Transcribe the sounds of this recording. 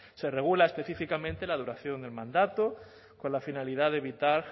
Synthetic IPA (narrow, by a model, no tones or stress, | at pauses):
sereɣ̞ulaespe̞θifikamẽnt̪elað̞uɾaθjo̞nd̪e̞lmãnd̪at̪o | konlafinaliðaðeβit̪aɾ